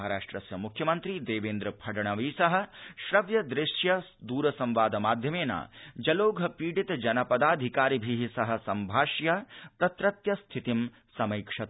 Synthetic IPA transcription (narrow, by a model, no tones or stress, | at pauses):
ɦɐɾaːʂʈɾɐsjɐmukʰjɐmɐnt̪ɾid̪eːʋeːnd̪ɾɐpʰɐɖɐɳɐʋiːsɐɦɐ̆ʃɾɐʋjɐd̪ɾɪʂjɐ | d̪uːɾɐsɐmʋaːd̪ɐmaːd̪ʱjɐmeːna̰ːd͡ʒɐloːɡʱɐpiːɖit̪d͡ʒɐnɐpɐd̪aːd̪ʱikaːɾibʱiɦisɐɦɐ̆sɐmbʱaːʃjɐt̪ɐt̪ɾɐt̪jɐst̪ʰit̪im | sɐmɐjkʂɐt̪